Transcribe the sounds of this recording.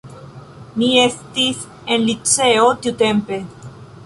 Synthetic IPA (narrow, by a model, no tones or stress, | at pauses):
niest̪is | enlit͡seot̪iut̪empe̞